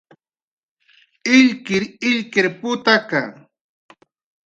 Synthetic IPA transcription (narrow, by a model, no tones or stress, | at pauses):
ɪʎkɪɾɪʎkɪɾpʊt̪aka